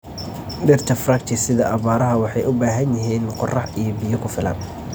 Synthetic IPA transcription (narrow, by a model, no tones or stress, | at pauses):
ɖɪrt̪ʰɐfrɐkt͡ʃ̪ʰɪsɪðɐʔɐβaːɾɐɦɐwɑħɑjʊbaːɦɐnjɐɦiːnqɔrɑħijɔbijɔkʰʊfɪlɐ̰ːn